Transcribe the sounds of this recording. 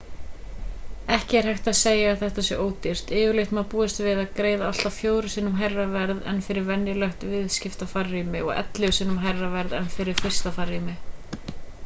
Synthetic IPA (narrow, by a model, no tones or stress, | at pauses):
ɛhcɪɛɾ̥hɛjxt̪aðseːjaːθɛht̪asjɛ̰ʔoːwt̪ɪr̥t̪ɪːjʏleht̪mapuːɪst̪vɪðaðkɾeːjðaal̥t̪afjoːwɾʏsɪnːʏmɦɛrːavɛɾðɛ̰nːfɪɾɪɾvɛnjɪlœht̪vɪðscɪft̪afarːimɪɔ̰ɣɛ̰t̪lʏʏsɪnʏmɦɛrːavɛɾðɛnfɪɾɪɾ̥fɪr̥st̪afarimɪ